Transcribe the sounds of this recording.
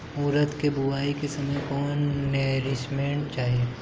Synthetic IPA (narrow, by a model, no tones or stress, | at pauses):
uːɾət̪kebʊʋaːikesɐməjkɔːnːeːɾɪsmeɳt͡ʃaːɦieː